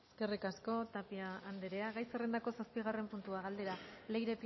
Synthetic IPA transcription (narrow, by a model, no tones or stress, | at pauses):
eske̞rikasko̞t̪apiaːnd̪eɾe̞aɣajsere̞nd̪ako̞saspiɣ̞are̞mpunt̪uaɣald̪e̞ɾalejɾe̞p